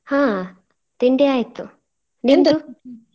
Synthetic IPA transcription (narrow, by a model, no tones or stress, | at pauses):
hãː | t̪iɳɖejaːjit̪ːu | nind̪u